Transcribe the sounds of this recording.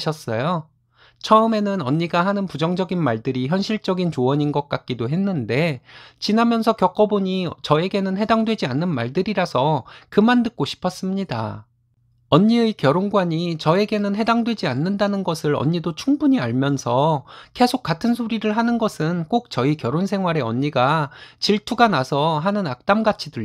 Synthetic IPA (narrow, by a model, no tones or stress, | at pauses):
ɕʰʌs͈ʌjo | t͡ɕʰʌɯme̞nɯnʌɲːiɡaɦanɯnpud͡ʑʌŋd͡ʑʌɡinmaɭdɯɾiçjʌnɕʰiɭt͡ɕ͈ʌɡint͡ɕoʌɲinɡʌk̚k͈ak̚k͈idoɦe̞nːɯnde̞t͡ɕinamjʌnsʰʌkjʌk͈ʌboɲit͡ɕʌe̞ɡe̞nɯnɦe̞daŋdwe̞d͡ʑianːɯnmaɭdɯɾiɾasʰʌkɯmandɯk̚k͈oɕʰi̥pʰʌs͈ɯmɲida̰ | ʌɲːiɯkjʌɾonɡwaɲit͡ɕʌe̞ɡe̞nɯnɦe̞daŋdwe̞d͡ʑianːɯndanɯnɡʌsʰɯɾʌ̰ɲːidot͡ɕʰuŋbuɲiaɭmjʌnsʰʌke̞sʰok̚k͈atʰɯnsʰoɾiɾɯɭɦanɯnɡʌsʰɯnk͈ok̚t͡ɕʌikjʌɾonsʰe̞ŋɦwaɾe̞ʌɲːiɡat͡ɕiɭtʰuɡanasʰʌɦanɯnak̚t͈amɡat͡ɕʰidɯɭ